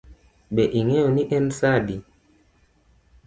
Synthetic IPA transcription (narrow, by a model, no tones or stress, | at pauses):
ɓɛʔiŋɛoniʔɛnsadi